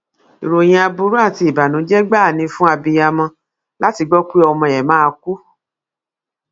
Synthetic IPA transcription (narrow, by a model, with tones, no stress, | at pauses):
i˨ɾo˨j̃ĩ˧a˧bu˧˦ɾu˦ã˦˨ti˧i˨ba˨nũ˨˦d͡ʒɛ˦ɡ͡ba˦˨nĩ˧fũ˦a˧bi˧ja˧mɔ̃˧ | la˦ti˧ɡ͡bɔ˦ki˦ɔ˧mɔ̃˧˨jɛ˨mã˦˧ku˦